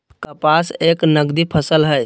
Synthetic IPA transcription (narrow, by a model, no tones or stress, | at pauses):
kəpaseknəɡd̪ipʰəsəlɦəj